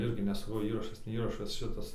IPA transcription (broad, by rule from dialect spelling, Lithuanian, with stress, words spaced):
ˈɪrʲɡʲɪ nʲɛ sɐˈkɐʊ ˈiːrɐʃɐs nʲɛ ˈiːrɐʃɐs ˈʃʲɪtɐs